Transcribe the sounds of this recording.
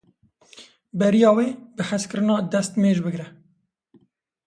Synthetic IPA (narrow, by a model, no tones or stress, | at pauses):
bɛɾijɑːweːbɨhæskɨɾɨnɑːd̪ɛst̪meːʒbɨɡɾɛ